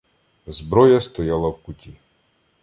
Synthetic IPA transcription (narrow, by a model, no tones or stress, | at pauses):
zbɾɔjast̪ɔjalˠawkutʲi